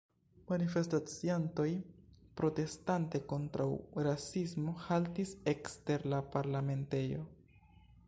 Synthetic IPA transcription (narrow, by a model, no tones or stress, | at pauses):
manife̞stat͡sianto̞jpɾo̞te̞stante̞ko̞ntɾʔa̰wɾasismo̞haltise̞kste̞ɾlapaɾlame̞nte̞jo̞̰